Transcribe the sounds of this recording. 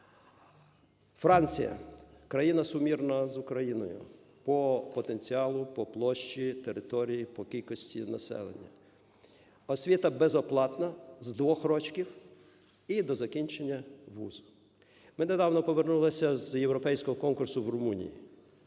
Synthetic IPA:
fɾɑnʲt͡sʲḭjɐ̰kɾɐjinɐsʊmʲirnɐzʊkɾɐjinɔ̰jʊ̰ | pɔpɔt̪e̞nʲt͡sʲiɑlˠʊpɔplˠɔʃt͡ʃit̪eɾɪt̪ɔɾʲijipɔkʲilʲkɔsʲtʲinɐsɛ̰lˠḛnʲːɐ | ɔsʲʋʲit̪ɐbezɔplˠɑt̪nɐzd̪ʋɔxɾɔt͡ʃkʲiw | id̪ɔzɐkʲinʲt͡ʃenʲːɐʋṵzʊ̥ | mɪned̪ɑwnɔpɔʋernulˠɐsʲɐzjewɾɔpɛjsʲkɔɦɔkɔnkʊrsʊwrʊmunʲḭjḭ

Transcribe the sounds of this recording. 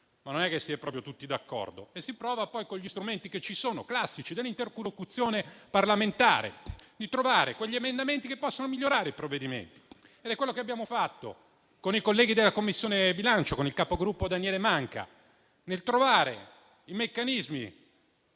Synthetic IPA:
manonɛkːesːiɛpɾɔpɾjot̪ut̪ːid̪akːɔ̰rd̪o̰esːipɾɔːvapɔjkoʎːist̪ɾument̪iket͡ʃːisoːnoklasːit͡ʃid̪elːint̪eɾkulokut̪sːjoːneparlament̪a̰ːɾḛd̪it̪ɾovaːɾekweʎːiemend̪ament̪ikepːɔsːonomiʎːoɾaːɾeipɾovːed̪imḛnt̪i̥ | ed̪ɛkwelːokeabjaːmofat̪ːo̰ | konikolːɛːɡid̪elːakomːisːjoːnebilant͡ʃokonilkaːpoɡɾupːod̪anjɛːlemaŋka̰ | nelt̪ɾovaːɾḛ | imekːanizmḭ

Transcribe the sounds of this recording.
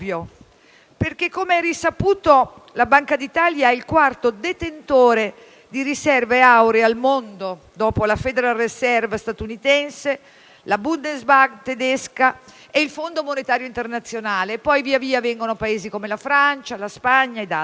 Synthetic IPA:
jo | perk̟ekːomeɛrisapuːt̪olabaŋkad̪it̪aːljaɛilkwart̪od̪et̪ent̪oːɾe | d̪iɾisɛrveawɾealmond̪o | d̪ɔːpolafed̪eɾaresɛrvast̪at̪unit̪ɛnse | labund̪ezbaɡt̪ed̪ɛska | eilfond̪omonet̪aːɾjoint̪ernat̪sːjonaːlepːɔjviːaviːavɛŋɡonopaeːzikomelafɾant͡ʃalaspaɲːaed̪a

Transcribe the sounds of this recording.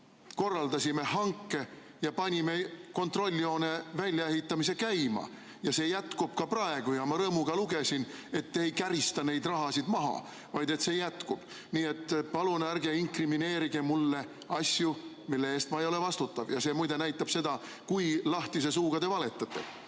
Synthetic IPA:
ko̞rːɑld̪ɑsime̞hɑŋkːe̞ | jɑpɑnʲime̞ko̞nt̪ro̞lʲːio̞ːne̞vælʲjɑe̞ɦit̪ːˑɑmis̬e̞kæjmɑ̰ | jɑse̞ːjæt̪kub̥kɑprɑe̞ɡ̥ujɑmɑɾɤːmuɡ̥ɑluɡ̥e̞sine̞t̪ːejkæɾist̪ɑne̞jd̪rɑɦɑsid̪̥mɑɦɑ̰ | vɑjd̪e̞t̪se̞jæt̪kub̥ | niːe̞t̪ˑːpɑlunærɡe̞iŋkrimine̞ːɾiɡ̥emulːe̞ | ɑsju | milːee̞ːst̪mɑejo̞le̞vɑst̪ut̪ːɑvjɑse̞ːmujd̪e̞næjt̪ːˑɑb̥se̞d̪̥ɑ | kujlɑht̪ise̞s̬uːɡ̥ɑd̪e̞vɑle̞t̪ːˑɑt̪ːe̞̰

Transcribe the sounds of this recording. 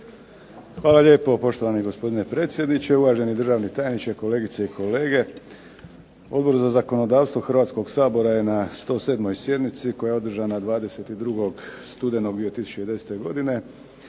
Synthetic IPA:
xʋaːlaʎʲje̞ːpo̞po̞ʃt̪oʋaniɡo̞spo̞d̪ine̞pɾe̞ːt̪sjed̪nit͡ʃe̞uʋaːʒe̞nid̪r̩ʒaːʋnit̪ajenit͡ʃeko̞le̞ːɡit̪seikʰo̞le̞ːɡe̞ | o̞d̪bo̞ɾzazako̞no̞d̪aːʋst̪ʋo̞xrʋaːt̪sko̞ɡsaːbo̞ɾaje̞nast̪o̞ːse̞ːd̪mo̞jsje̞d̪nit̪siko̞jao̞d̪r̩ʒanad̪ʋaːd̪e̞se̞t̪id̪ɾuɡo̞ɡst̪ud̪enoɡd̪iot̪isu̥t͡ʃed̪e̞set̪eɡo̞d̪ine̞

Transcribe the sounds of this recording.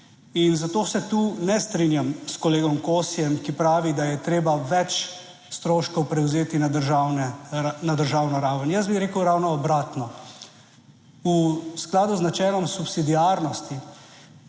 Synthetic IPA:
inzat̪oːsɛt̪uːnɛst̪ɾinjamskɔleːɡɔmkoːsijɛmkipɾaːʋid̪ajɛt̪ɾeːbaʋɛt͡ʃ | st̪ɾoːʃkɔwpɾɛwzeːt̪inad̪əɾʒawnɛnad̪əɾʒawnɔɾaːwʋənjəs̬biɾeːkəwɾawnɔːbɾaːt̪nɔ | usklaːd̪uznat͡ʃɛːlɔmsupsid̪iaːɾnɔst̪i

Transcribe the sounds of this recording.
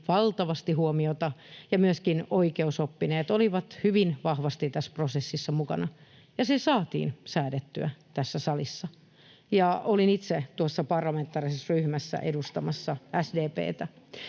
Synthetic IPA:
ʋɑlt̪ɑʋɑst̪ihuomiot̪ɑjɑmyøskinoikeusopːineːt̪oliʋɑt̪hyʋinʋɑhʋɑst̪it̪æsprosesːisːɑmukɑ̰nɑ | jɑsesɑːt̪ḭːnsæːdet̪ːyæt̪æsːæsɑlisːɑ | jɑolinit̪set̪uosːɑpɑrlɑment̪ːˑɑːrisesryhmæsːæ̰ʔedust̪ɑmɑsːɑæsdeːpḛːt̪æ

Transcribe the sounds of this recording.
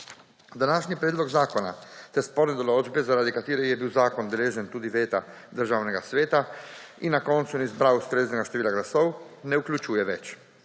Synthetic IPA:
d̪anaːʃnipɾeːd̪loɡzaːkona̰t̪ɛspoɾnɛd̪olod͡ʒbɛzaɾaːd̪ikat̪iːɾɛjɛbiːwzaːkond̪ɛleːʒɛnt̪uːd̪iʋeːt̪a | d̪əɾʒaːwnɛɡasʋeːt̪a | inakont̪sunizbɾawust̪ɾeːznɛɡaʃt̪eʋiːlaɡlasownɛuklʲut͡ʃuːjɛʋɛt͡ʃ

